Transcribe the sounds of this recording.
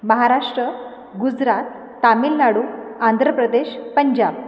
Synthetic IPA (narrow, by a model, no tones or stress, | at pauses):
məɦaɾaʂʈɾə | ɡud͡zɾat̪ː | amilnaɽuːand̪ʱɾəpɾəd̪eɕpəɲd͡ʑab̚